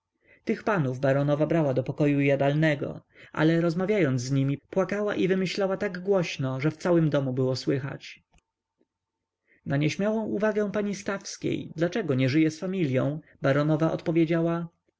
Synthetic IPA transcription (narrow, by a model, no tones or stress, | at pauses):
t̪ɘxpanuvbaɾɔnɔvabɾawad̪ɔpɔkɔjujad̪alnɛɡɔ̰ | ʔa̰lɛɾɔzmavʲjajɔnd̪zzɲimʲipwakawaʔivɘmɘɕlawat̪aɡɡwɔɕnɔʐɛft̪sawɘmd̪ɔmubɘwɔswɘxa̰t͡ɕ | naɲɛɕmʲjawɔ̃w̃ʔuvaɡɛ̃paɲist̪afskʲḛjd̪lat͡ʂɛɡɔɲɛʐɘjɛsfamʲilʲjɔ̃w̃baɾɔnɔvaʔɔ̰t̪pɔvʲjed͡ʑawa